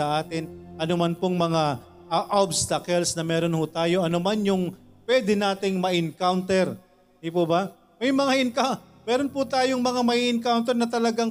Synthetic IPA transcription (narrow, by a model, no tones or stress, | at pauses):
ɐʔaːt̪ɪnʔɐnʊmanpoŋmɐŋa | ʔɐʔobst̪ɐkɛlsnɐmɛːɾonhʊt̪aːjo̞ʔɐnomanjʊŋpwɛːd̪ɛnaːt̪ɪŋmɐʔɪnkawnt̪ɛɾ | d̪ɪpoba | mɐjmɐŋaʔɪnka | mɛːɾonpʊt̪aːjoŋmɐŋamɐʔiʔɪnkawnt̪ɛɾnɐt̪ɐlɐɡaŋ